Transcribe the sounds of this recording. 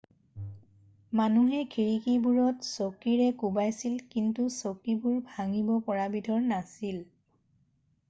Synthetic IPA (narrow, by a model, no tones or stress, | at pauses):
manuɦɛkʰiɹikibuɹɔtsokiɹɛkubajsilkintusokibuɹbʱaŋibɔpɔɹabidʱɔɹnasil